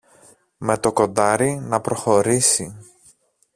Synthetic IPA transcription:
me̞t̪o̞ko̞nd̪ɐɾinɐpɾo̞xo̞ɾisi

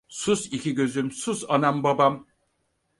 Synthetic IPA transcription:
susiciɟø̞zymsusanambabam

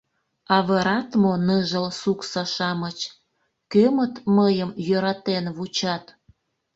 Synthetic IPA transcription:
ɑβɤɾɑt̪monəʒəlsuksɑʃɑmət͡ɕ | kømət̪məjəmjøɾɑt̪enβut͡ɕɑt̪

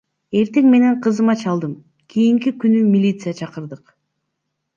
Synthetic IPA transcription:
e̞ɾt̪e̞ŋme̞ne̞ɴqʰɯzɯmɑt͡ʃɑlˠd̪ɯm | kʲʰijiŋkikynymʲilʲit̪sɨjat͡ʃʰɑqɯɾd̪ɯq

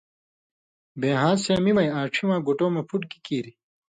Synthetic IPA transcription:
beːɦãːseːmimɐjaːʈ͡ʂʰimãːɡoʈoːmɐpʰuʈkikiːɾi

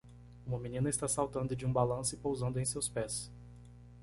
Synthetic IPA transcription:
ũmɐmĩnĩnɐɪst̪asawt̪ɐ̃nd̪ʊd͡ʒɪũbalɐ̃sʊɪpowzɐ̃nd̪ʊẽj̃sewspɛs

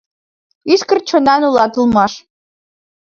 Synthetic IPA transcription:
iskə̆rt͡ɕŏnɑnulˠɑt̪ɤ̆lˠmɑʃ

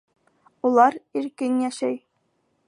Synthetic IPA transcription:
ulˠɑɾiɾkɘnjæʃæj

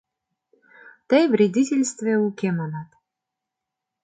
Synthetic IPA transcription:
t̪əjvrʲed̪ʲitʲelʲst̪vʲeukʲemɑnɑt̪

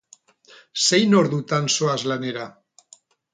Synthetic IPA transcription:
sejnoɾðut̪ansoazlaneɾa

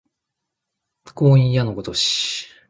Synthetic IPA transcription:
koːĩjanokot̪oɕi̥

